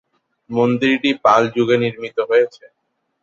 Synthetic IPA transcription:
mond̪iɾʈipald͡ʑuɡeniɾmit̪oɦojet͡ɕʰe

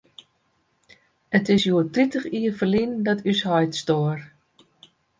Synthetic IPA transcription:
ətɪsjuətritəχiːərfəlindɔtʰyshɔjtstoər

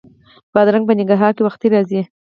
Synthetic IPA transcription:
b̥ɑd̪ɾaŋɡ̚p̬ənɪɡaɾɦɑɾkewaxt̪iɾɑzi

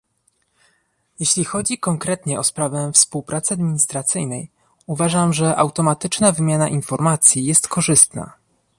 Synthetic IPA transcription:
jeɕlʲixɔd͡ʑikɔŋkɾɛt̪ɲɛɔspɾavɛfspuwpɾʔat̪sɛad̪mʲiɲist̪ɾat̪sɘjnɛj | uvaʐamʐɛʔawt̪ɔmat̪ɘt͡ʂnavɘmʲjanaʔinfɔɾmat̪sʲjijɛst̪kɔʐɘst̪na̰

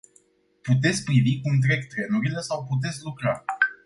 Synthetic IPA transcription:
put̪̬e̞t̪sʲk̚ʲpɾivikuɨnt̪̬ɾe̞ɡt̪ɾe̞nuɾile̞sawput̪̬e̞t̪sʲlukɾa

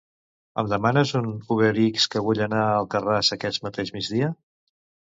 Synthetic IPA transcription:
ə̰md̪əmanəzunuɣeɾikskəβuʎənaəlˠkərazəkɛsmət̪eʒmid͡ʒðiə

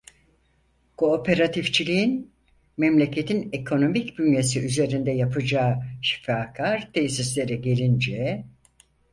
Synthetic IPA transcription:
kʰo̞ːpʰe̞ɾat̪ʰift͡ʃʰilʲiin | mɛmlʲe̞cʰe̞t̪ʰinekʰo̞no̞micbynje̞siʔyze̞ɾind̪ɛjapʰɯd͡ʒaːʃi̥faːkʰaɾt̪ʰejsislʲe̞ɾɛɟe̞lʲind͡ʒɛ

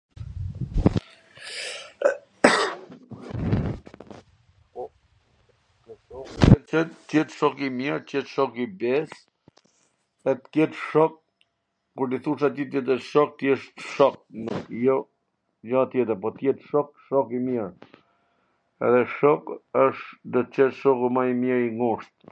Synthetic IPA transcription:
ɔ | ɔɛtət̪ːjɛt̪ʃɔkimiɾt̪jɛt̪ʃɔkibɛs | ɛt̪kjɛt̪ʃɔk̚ | kuɾd̪iθuʃat̪it̪̬jɛt̪əʃɔk̚t̪jɛʃt̪ʃɔk̚nukjɔ | d͡ʒat̪jɛt̪̬əɾpɔt̪jɛt̪ʃɔk̚ʃɔkimiɾ | ɛ̰ðɛʃɔkəʃd̪ɔt͡ʃɛt̪ʃɔkumamjiɾiŋɡuʃt̪̚

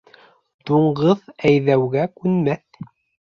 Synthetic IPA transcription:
d̪̥uɴɢɤðæjðæwɣækʉnmæθ

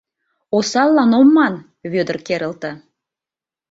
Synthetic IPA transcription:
osɑlˠːɑnomːɑn | βød̪ə̆rkeɾə̆lt̪ə̆

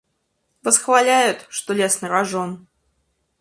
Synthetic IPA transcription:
vəsxvalʲæjʊt̪ʂt̪olʲesnɨɾaʐon

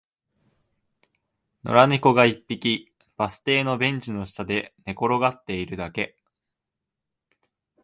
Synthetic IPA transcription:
no̞̰ɾanʲiko̞ɡaipʲːikʲi | b̥asɨ̥t̪e̞ːno̞bẽ̞ɲ̟d͡ʑino̞ɕi̥t̪ad̪e̞ne̞ko̞ɾo̞ɡat̪ːe̞iɾɯ̟d̪ake̞

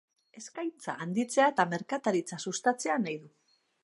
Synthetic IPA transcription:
e̞skajnt͡sa̰ʔːnd̪it͡se̞aet̪ame̞ɾkat̪aɾit͡sasust̪at͡se̞anajðu

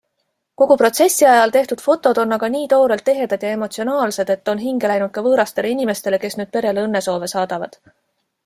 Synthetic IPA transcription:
ko̞ɡ̥upro̞t̪se̞sːiɑjɑlt̪e̞ht̪ud̪̥fo̞t̪ːˑo̞d̪̥o̞nːɑɡ̥ɑniːt̪o̞ːɾelt̪ːe̞ɦe̞d̪̥ɑd̪̥jɑe̞mo̞t̪sio̞nɑːlse̞d̪e̞t̪ːo̞nɦiŋɡ̥e̞læjnud̪̚kɑvɤːɾɑst̪e̞leinime̞st̪e̞le̞ke̞snyːd̪̚pe̞ɾe̞leɤnːe̞so̞ːve̞sɑːd̪̥ɑvɑ̰d̪̥

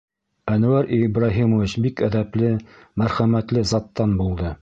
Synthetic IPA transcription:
ænŭwæɾibɾɑɦimovit͡ɕbikæðæplɘ | mæɾχæmæt̪lɘzɑt̪ːɑnbulˠd̪ɤ

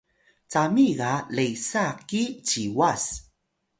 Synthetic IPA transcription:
t͡samiɡalejsakit͡ɕiwas

